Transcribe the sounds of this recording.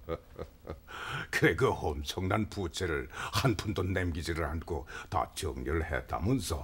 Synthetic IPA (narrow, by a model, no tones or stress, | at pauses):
kʰeɡɯhomt͡ɕʰoŋnanpʰut͡ɕʰeɾɯɭhanpʰund̪onːemɡid͡ʑiɾɯɭhankot̪a̰t͡ɕɯŋɲiɾɯɭhḛt̪ʰːa̰munsɔ